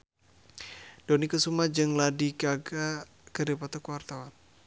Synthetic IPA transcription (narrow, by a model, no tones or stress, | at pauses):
donikusumad͡ʒɨŋladiɡaɡa | kəɾepat̪ukuwart̪awan